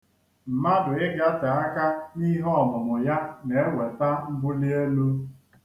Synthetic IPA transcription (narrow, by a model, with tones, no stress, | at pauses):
m̩˨ma˦dʊ˨ɪ˦ɡa˦ta˨a˦ka˦ni˦ɦɔ˦˨mʊ˨mʊ˨ja˦ne˨e˦we˨ta˦m̩˦ɡ͡bʊ˦li˦e˦lu˦